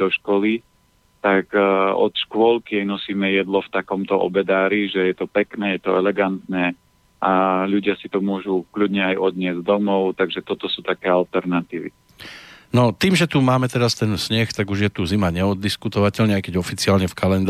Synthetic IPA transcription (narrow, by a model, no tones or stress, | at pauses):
d̪ɔʃkɔli | t̪akɔ̰t̪ʃkʊɔlkjɪɛnɔsiːmɛjɛd̪lɔft̪akɔmt̪ɔʔɔ̰bɛd̪aːɾiʒɛjɛt̪ɔpɛknɛːjɛt̪ɔɛlɛɡant̪nɛː | ʔaʎuɟɪasit̪ɔmʊɔʒukʎud̪ɲɛajʔɔd̪ɲɪɛzd̪ɔmɔʊt̪aɡʒɛt̪ɔt̪ɔsuːt̪akɛːalt̪ɛɾnat̪iːʋḭ | nɔt̪iːmʒɛt̪umaːmɛt̪ɛɾast̪ɛnsɲɛxt̪aɡuʒjɛt̪uzimaɲɛɔd̪ːiskut̪ɔʋacɛʎɲɛajkɛɟɔfit͡siaːlɲɛfkalɛnd̪